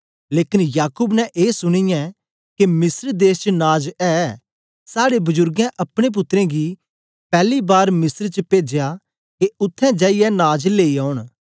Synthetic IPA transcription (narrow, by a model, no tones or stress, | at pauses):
leːkɪnjaːkuːbnɛ̃ʔeːsʊɽ̃ɪjã | kemɪsəɾd̪eːst͡ʃənaːd͡ʒɛ | saːɽebʊzʊɾɡɛ̃ʔɐpɽ̃ep̬ʊt̪ːɾɛ̃ɡi | pɛːlibaːɾmɪsəɾt͡ʃəpeːd͡ʒeja | keʊt̪ʰːɛ̃d͡ʒaːijɛnaːd͡ʒleːiaːʊɽ̃